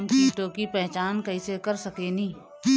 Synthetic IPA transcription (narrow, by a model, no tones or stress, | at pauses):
mkiːʈõkipɛɦt͡ʃaːnkɐisekɐɾsɐkenĩː